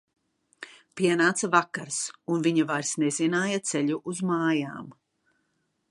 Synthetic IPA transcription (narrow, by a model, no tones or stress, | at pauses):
piɛnaːt̪savakaɾsunviɲavajɾsnezinaːjat̪seʎuʔuzmaːja̰ːm